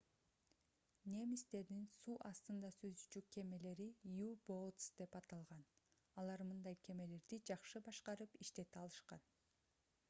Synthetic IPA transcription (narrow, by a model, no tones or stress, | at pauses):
nʲe̞mist̪e̞ɾd̪insuːʔɑst̪ɯnd̪ɑsøzd̪yt͡ʃykːe̞me̞le̞ɾijubot̪sd̪̥e̞pɑt̪ɑlˠʁɑn | ɑlˠɑɾmɯnd̪ɑjkʰe̞me̞le̞ɾd̪id͡ʒɑqʃɯbɑʃqɑɾɯpiʃt̪e̞t̪iɑlˠɯʃqɑn